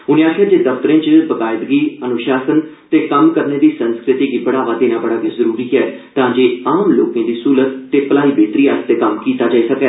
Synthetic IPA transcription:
ʊnẽːaːkʰaːd͡ʒeːd̪əft̪əɾẽːt͡ʃbəkaːɪd̪ɡiːənʊʃaːsənt̪eːkəmkəɾneːd̪iːsənskɾɪt̪iːɡiːbəɽaːʋaːd̪eːnãːbəɽaːbizəɾuːɾiːkɛːt̪ãːd͡ʒeːaːmloːkẽːd̪iːsuːlət̪ːeːpəlaːiːbeːt̪ɾiːaːst̪eːkəmkiːt̪aːd͡ʒaːisəkɛː

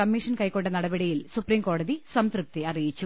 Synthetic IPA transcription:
ɐmːiʂɐnkɐjko̞ɳɖenɐɽɐbɐɽijilsupriːmko̞ːɽɐðisɐmt̪rɨp̚t̪eɐrijit͡ɕːu

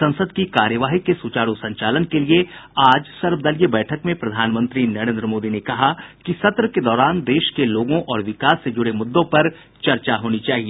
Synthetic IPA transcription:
sɐ̃nsəd̪kikaːɾjəʋaːɦikesut͡ʃaːɽusɐ̃ɲt͡ʃaːlənkelieaːd͡ʒsɐɾbd̪əlijebɛːʈʰəkmẽpɾɐd̪ʱaːnmə̃nt̪ɾinɐɾẽnd̪ɾəmoːd̪inekɐɦakisɐt̪ɾəked̪ɔːɾaːnd̪eːʃkeloːɡõʔɔːɾʋɪkaːsːed͡ʒʊɽemʊd̪ːõpɐɾ | t͡ʃɐɾt͡ʃaɦoːnit͡ʃaːɦieː

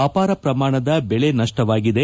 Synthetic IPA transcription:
aːpaːɾɐpɾɐmaːɳɐd̪ɐbɛɭenɐʂʈɐʋaːɡid̪e̞

